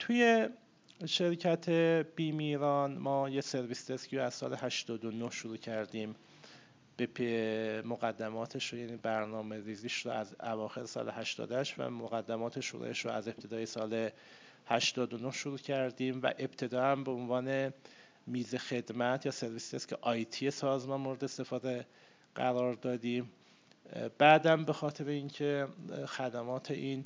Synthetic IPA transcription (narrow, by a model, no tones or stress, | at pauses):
t̪ʰuje̞ | ʃe̞ɾcʰæt̪ʰeb̥iːmiɾɒːnmɒːjese̞ɾvist̪escʰiɾoæz̥sɒ̰ːleɦæʃt̪ɒːd̪onohʃoɾuːcʰæɾd̪iːm | b̥epʰemoɣæd̪ːæmɒːt̪ʰeʃojæniːbæɾnɒːme̞ɾiːziːʃɾoæzævɒːxe̞ɾesɒ̰ːlehæʃt̪ɒ̰ːd̪æʃvæ̰moɣæd̪ːæmɒːt̪ʰe̞ʃṵɾṵeʃɾoæze̞p̚t̪ʰe̞d̪ɒːjesɒːle | hæʃt̪ɒːd̪onohʃoɾuːcʰæɾd̪iːmvæ̰ʔe̞bt̪ʰe̞d̪ɒːæmbe̞onvɒːne̞ | miːze̞xe̞d̪mæt̪ʰjɒːse̞ɾviːst̪æscʰe̞̰ʔɒjt̪ʰije̞sɒːzmɒnmoɾed̪est̪e̞fɒːd̪e | ɢæ̰ɾɒːɾd̪ɒːd̪iːm | b̥æːd̪æmbe̞xɒːt̪ʰe̞ɾeiŋcʰe̞xæd̪æmɒːt̪ʰe̞ʔiːn